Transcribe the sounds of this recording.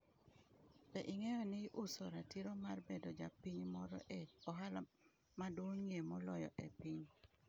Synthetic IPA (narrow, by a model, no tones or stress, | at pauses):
ɛʔɪŋɛjɔnɪʔusoɾatiɾomarbedod͡ʒapiɲmɔɾɔ̰ʔɛɔɦala | maduoɲemɔlɔjɔ̰ʔɛpiɲ